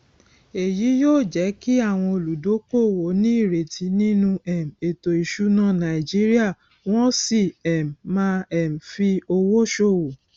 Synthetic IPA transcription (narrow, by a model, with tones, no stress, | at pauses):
e˨ji˨˦joː˦˨d͡ʒɛ˨˦ki˦a˦˨w̃ɔ̃˧o˨lu˨do˨˦ko˦˨wo˨˦nĩ˦i˦˨ɾe˨tʰi˨˦nĩ˦nũ˧ɛ˨m̩˨e˨to˨i˨ʃu˨˦nã˦˨nã˨i˨d͡ʒi˦ɾi˦a˦˨ | w̃ɔ̃˦si˦˨ɛ˨m̩˨mã˦ɛ˦˨m̩˨fi˧o˧wo˦ʃo˦˨wo˨